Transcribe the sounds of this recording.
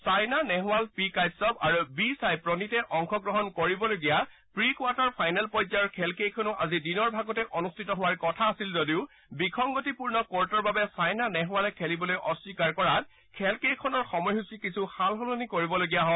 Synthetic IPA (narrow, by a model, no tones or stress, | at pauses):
sajnanɛɦʊalpikajsɔpaɹubisajpɹɔnitɛʔɔŋkʰɔɡɹɔɦɔnkoɹibɔloɡija | pɹikwataɹpʰajnɛlpɔjzaɔɹkʰɛlkejkʰɔnʊʔazidinɔɹbʱaɡɔtɛʔɔnustʰitɔɦʊwaɹkɔtʰaːsilzodiʊ | bikʰɔŋɡotipuɹnɔkɔɹtɔɹbabɛsajnanɛɦʊalɛkʰelibɔlojʔɔswikaɹkɔɹat̚ | kʰɛlkejkʰɔnɔɹxɔmɔjɦusikisʰuxalɦolonikoɹibɔloɡijaɦɔ